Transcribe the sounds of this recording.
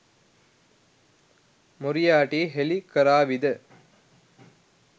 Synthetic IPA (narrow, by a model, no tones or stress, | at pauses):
muɾijaːʈiːɦelikəɾaːʋid̪ə